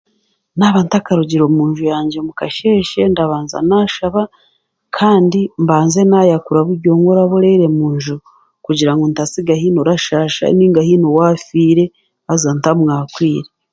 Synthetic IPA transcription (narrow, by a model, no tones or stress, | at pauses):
naβantakaɾuɟiɾo̞muːnʒujaːɲɟe̞mukaʃe̞ːʃe̞ndaβaːnza̰naːʃaβa | kʰaːndimbaːnze̞najakuɾaβuɾɟo̞ːŋɡoɾaβoɾeiɾe̞muːɲʒu | kuɟiɾaŋɡontasiɡahiːnoɾaʃaːʃa̰niːŋɡahinowaːfiːɾe̞ | azantamŋaːkwiːɾe